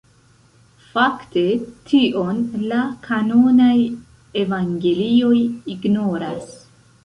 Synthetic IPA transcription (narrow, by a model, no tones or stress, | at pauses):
fakte̞tʰiʔo̞nlakʰano̞naj | e̞vaŋɡe̞lio̞jiɡno̞ɾas